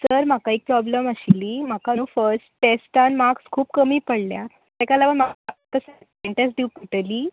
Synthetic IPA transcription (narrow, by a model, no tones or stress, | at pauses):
səɾmakaek̚pɾɔbləməɕiliːm̤akanũfəɾsʈʈesʈanmakskʰuːpkəmiːpəɽlja | t̪ekalaʋəɳmaat̪əsə | eɳʈẽs̬ɖ̪ikəʈəliː